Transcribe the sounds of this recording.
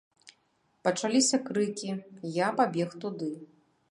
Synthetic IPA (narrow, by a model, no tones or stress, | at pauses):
pɐt͡ʂalʲisʲɐkɾɨkʲijapabʲɛxt̪ud̪ɨ